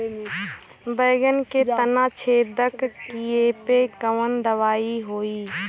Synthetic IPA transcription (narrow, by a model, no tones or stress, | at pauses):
bəːɡənket̪ənaːt͡ʃʰeːd̪əkkieːpekəʋənd̪əʋaːiɦoːiː